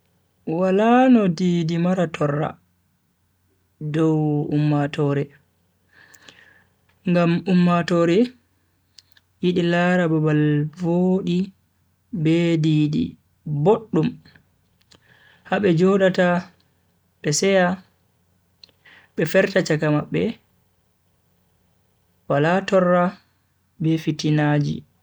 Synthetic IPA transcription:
walanɔdiːdimaɾatʰɔrːa̰ | dɔwumːatɔːɾɛ | ŋɡamumːatɔɾɛ | jiɗilaɾababalvoːɗi | bɛdiɗḭ | boɗːum | haɓɛd͡ʒɔɗata | ɓɛsɛja | ɓɛfɛɾtat͡ʃakamaɓːɛ | walatɔrːa | bɛfitinad͡ʒḭ

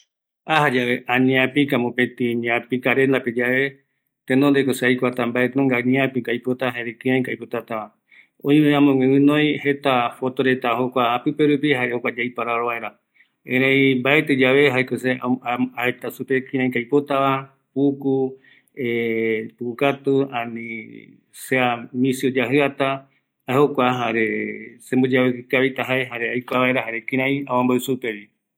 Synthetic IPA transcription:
aɦad͡ʒaʋeʔãɲĩãpikamõpẽt̪iɲapikaɾend̪aped͡ʒaβe̞ | t̪ẽnd̪ond̪ekoseajkʷat̪ambaet̪eõŋɡanĩãpĩkajpot̪aɦaeɾekɨ̃ãj̃kajpot̪at̪aʋa | õj̃ɨ̃ãmõŋẽɨ̃nõj̃het̪afo̞t̪oɾe̞t̪aɦokʷaːpɨpeɾupihaeokʷad͡ʒajpaɾaɾoβaeɾa | ẽɾ̃ẽjmbaet̪ed͡ʒaβe̞ɦaekoseaet̪asupekĩɾ̃ãj̃kajpot̪aβa | puku | epukukat̪uãnĩ | seamĩsiod͡ʒaɦɨat̪a | aehokʷaɦaɾesembod͡ʒawekɨkaβit̪aɦaeɦaɾeajkʷaβaeɾaɦaɾekĩɾ̃ãj̃awãmbaɨsupeɾi

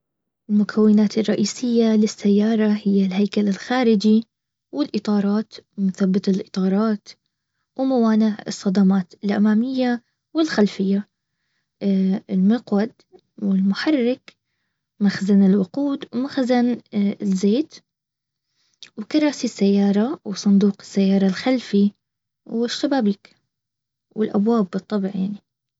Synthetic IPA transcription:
ʔɪlmʊkʰawːɪnaːt̪ɪrˤːɑʔiːsɪjːalɪsːajːɑːɾˤɑhɪjːalɦajkalɪlxaːɾɪd͡ʒi | wɪlʔɨt̪ˤɑːɾˤɑːt̪mʊθabːɪt̪ɪlʔɨt̪ˤɑːɾˤɑːt̪ | wmawaːnɪʕɨ̰sˤːɑd̪ɑmaːt̪ɪlʔa̰maːmɪjːa | wɪlxalfɪjːa | ɪlmʊqwad̪ | wɪlmʊħɑrːɪk | maxzanɪlwʊquːd̪wmaxzanɪzːeːt̪ | wkɑɾˤɑːsisːajːɑːɾˤɑwsˤʊnd̪uːqɪ̥sːajːɑːɾˤɑlxalfi | wɪʃːabaːbiːk | wɪlʔabwaːbːɨt̪ˤːɑbʕjaʕni

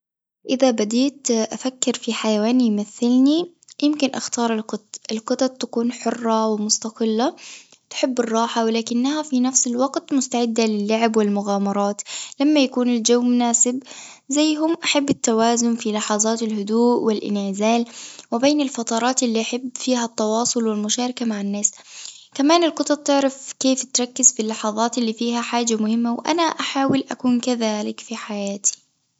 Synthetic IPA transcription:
ʔɪðabad̪iːt̪ʔafakːɪɾfiħajawaːnijmaθːɪlni | jɪmkɪnʔaxt̪ɑːɾˤɪlqʊt̪ʔɪlqɨt̪ˤɑt̪̚ˤt̪ːakuːnħʊrˤːɑwɪmʊst̪ɑqɪlːa | t̪ħɪbːɪrˤːɑːħawɪlaːkɪnːahafinafsɪlwɑɡt̪mʊst̪aʕɪd̪ːalɪlːaʕabwɪlmʊɣaːmɑɾˤɑːt̪lamːajakuːnɪld͡ʒawːmʊnaːsɪb | zajːɦʊmʔaħabːɪt̪ːawaːzʊnfilɑħɑðˤɑːt̪ɪlhʊd̪uːʔwɪlʔɪ̰nʕɪzaːlwɪbeːnɪlfɑt̪ˤɑɾˤɑːt̪ɪlːiːʔaħɪbːfiːhat̪ːɑwɑːsˤʊlwɪlmʊʃaːɾˤɪkamaʕanːaːskamaːnɪlqɨt̪ˤɑt̪̚ˤt̪ɪʕɾɑfkeːft̪ɾˤɑkːɪzfɪlːɑħɑðˤɑːt̪ɪlːiːfiːhaħaːd͡ʒamʊhɪmːawʔa̰naʔaħaːwɪlʔa̰kuːnkaðaːlɪkfiħajaːt̪ʰi̥

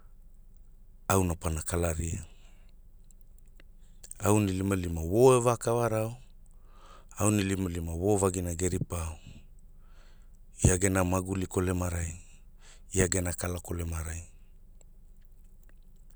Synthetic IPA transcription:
awnapanakalaɾia | awnilimalimawo̞evakawaɾao | awnilimalimawovaɡinaɡeɾipao | iaɡenamaɡuliko̞lemaɾaj | iaɡe̞nakalako̞lemaɾaj

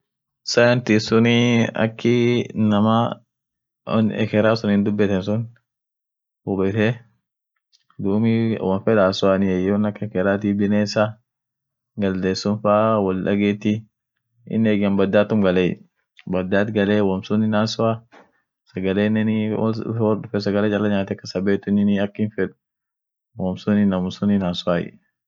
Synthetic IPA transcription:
sɐjɐnt̪isʊnɪɐ̰kːɪnɐma | nɛ̰kɛɾaːsʊnɪnd̪ʊbːɛt̪ɛnsʊn | ʊbɛt̪ɛ | d̪uːmiwɐnfɛd̪aːsʊaːnɪɛjonɐkːɛkɛɾaːt̪ibɪneːsa | ɡɐld̪eːsːɔnfaːwɐlɗɐ̰ɡeːt̪ːi | ɪ̰nːeːɡɪɐmbɐd̪ːaːt̪ːʊmɡɐlɛj̰ | bɐd̪ːaːt̪ɡɐleːwɔmsʊnɪnaːsʊaː | sɐɡɐleːnːɛn̰ | wɔɗʊfɛsɐɡɐleːt͡ʃʼɐlːɐɲaːt̪ɛkːɐsɐbeːt̪ːʊnɪnɪɐkːɪnfɛᶑʊ̥ | wɔmsʊnɪnɐmʊsʊninaːsʊaːjɛ̰

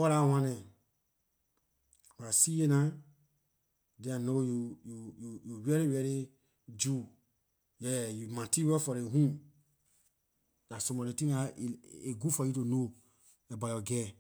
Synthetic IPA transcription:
wɔɾawãnɛ̃ | wasijena | dɛ̃anojujujujuwɛɾewɛɾe | d͡ʒu | jɛjumãtiwɛfɔɾeɦũ | nasõmɔɾetĩŋaeɡufɔjutono | ɛbajɔɡɛ

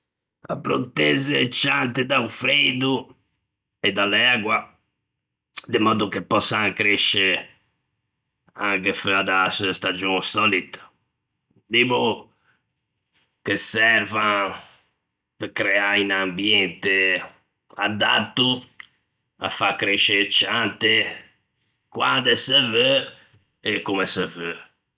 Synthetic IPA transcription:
a̰pɾo̰t̪ɛzet͡ʃːant̪ed̪aufɾed̪u | ɛd̪alɛaɡwa | d̪emɔːd̪ukepːɔsːaŋkɾeʃe | aŋkeføad̪asust̪ad͡ʒɔsɔlit̪ | d̪ibo | kesɛɾva | pkɾɛainambjɛnt̪e | a̰d̪a̰t̪ːu | a̰fakɾeʃet͡ʃant̪e | kwand̪ɛsɛvø | ekːumɛsɛvø

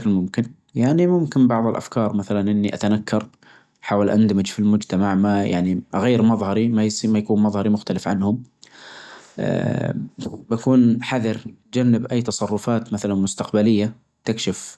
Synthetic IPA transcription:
klmʊmkɪn | jaʕnimʊmkɪnbɑʕðˤɪlʔa̰fkɑːɾˤmaθalanʔɪnːiʔat̪anakʰːɑɾˤ | ħaːwalʔa̰nd̪amɪd͡ʒfilmʊd͡ʒt̪amaʕmaja̰ʕniʔɣajːɪɾmɑðˤhɑɾimajsimajkuːnmɑðˤhɑɾimʊxt̪alɪfʕanhʊm | ʔ | bakuːnħaðɪɾt̪̚d͡ʒanːɪbʔaːt̪ɑsˤɑrˤːʊfaːt̪maθalanmʊst̪aqbalɪjːa | t̪ɪkʃɪf

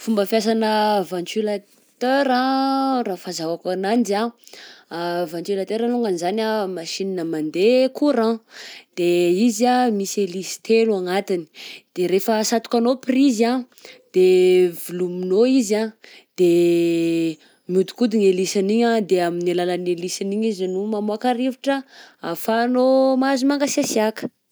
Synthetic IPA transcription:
fumbəfjas̬anəvãnt͡ʃula | t̪øɾãrafazawakanand͡ʒa | vãnt͡ʃilat̪eɾaluŋɡanizanamaʃininəmand̪ekuɾãd̪̥eizamiselisi̥t̪eluaŋat̪ini̥d̪̥eɾefəsat̪u̥kanopriza | d̪̥evuluminoizad̪̥e | mjud̪u̥kud̪iŋelisaniɲad̪eaminilalanelisiniɲizinumamuakaɾiviʈ͡ʂəafanomazumaŋɡasasiakə̥

